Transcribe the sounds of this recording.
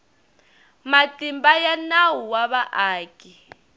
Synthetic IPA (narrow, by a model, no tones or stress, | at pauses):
matʼimbajanawuwaβaʔaːkʼi